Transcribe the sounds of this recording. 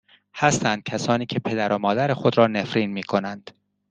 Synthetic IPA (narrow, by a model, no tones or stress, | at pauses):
hæst̪ænd̪̥̚cʰæsɒːniːcʰe̞pʰe̞d̪æɾʔomɒːd̪æɾexod̪ɾɒːne̞fɾiːnmiːkʰo̞nænd̪̥